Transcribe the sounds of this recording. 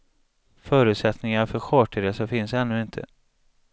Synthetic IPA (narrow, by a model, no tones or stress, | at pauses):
fœːɾʉ̟ːt̪sɛt̪nɪŋaɾfœɾɧɔːʈəɾesɔfɪnsɛnːɵɪnt̪ʰə̰